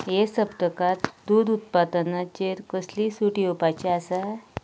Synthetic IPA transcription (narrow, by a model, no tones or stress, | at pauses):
jesəpʈ̪əkat̪d̪uːɾut̪̚pad̪ənat͡ɕeɾkəslisuʈiopat͡ɕeasa